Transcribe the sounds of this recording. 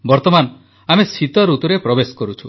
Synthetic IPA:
bɔɾt̪ɔman | amesʰit̪ɔɾut̪uɾepɾɔbeskɔɾut͡ʃʰu

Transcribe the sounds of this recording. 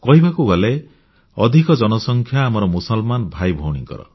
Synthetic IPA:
kɔɦibakuɡɔle | ɔd̪ʱikɔd͡ʒɔnɔsɔŋkʰjaːmɔɾɔmusɔlmanbʱajbʱɔwɽ̃ḭŋkɔ̰ɾɔ̰

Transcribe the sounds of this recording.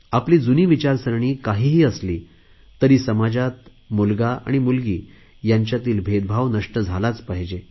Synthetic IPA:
apliːd͡zuniːʋit͡ɕaɾsəɾɳ̃iːkaɦiːɦiːəsliː | t̪əɾiːsəmad͡ʑat̪ | mulɡaa̰ɽ̃imulɡiː | jaɲt͡ɕjat̪iːlbʱed̪̚bʱaʋnəʂʈəd͡zʱalat͡spaɦd͡ʑe

